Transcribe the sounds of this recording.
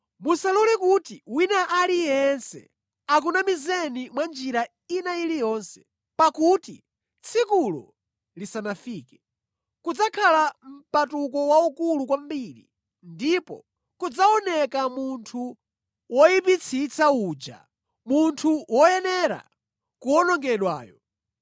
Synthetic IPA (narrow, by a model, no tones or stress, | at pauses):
musalɔlɛkutiwinaʔalijɛnsɛ̰ | ak̬unamizɛnimwand͡ʒiɾa | inailijɔnsɛ̥ | pakuti | t͡sʰikulɔ̰ | lisanafiːkɛ | kud͡zakʰalam̩patukɔwaukulukwambiɾḭ | ndipɔ̰ | kud͡zaɔnɛkamuntʰu | wɔjipit͡sʰit͡sʰauːd͡ʒa̰ | muntʰuwɔjɛnɛɾa̰ | kuɔnɔŋɡɛɗwa̰ːjɔ